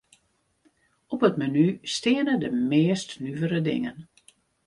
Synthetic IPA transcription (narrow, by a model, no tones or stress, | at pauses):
ɔpətmanystɪənədəmɪːstnyvəɾədɪ̰ŋən